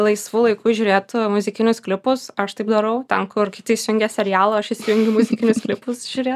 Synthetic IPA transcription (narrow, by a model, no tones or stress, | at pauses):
lˠɐɪsʋuːlˠɐɪkuːʒʲʊːɾʲeːt̪mʊzʲɪkʲɪnʲʊsklʲɪpʊsɐʃt̪ɐɪpd̪ɐɾɐʊt̪ʲɛnkʊrkʲɪt̪ɐɪsʲʊŋʲɡʲɛsʲɛɾʲjæːlˠɐɐʃɪsʲɪʋʲʊŋʲɡʲɪmʊzʲɪkʲɪnʲʊsklʲɪpʊsʒ̥ʲuːɾʲeːt̪